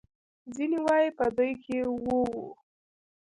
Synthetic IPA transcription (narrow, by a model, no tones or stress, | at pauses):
ziniwɑjepəd̪ujkʰewowṵ